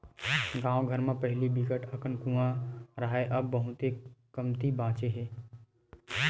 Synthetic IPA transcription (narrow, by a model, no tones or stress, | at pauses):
ɡãːõɡʱəɾmẽpɐɦɪlibikəʈəkənkũãɾaɦeʔɐbːɐɦʊt̪ekəmt̪ibãːt͡ʃeɦɛː